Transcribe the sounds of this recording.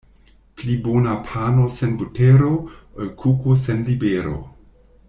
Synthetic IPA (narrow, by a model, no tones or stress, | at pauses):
plibonapʰanosenbuteɾokʰukosenlibeɾo̰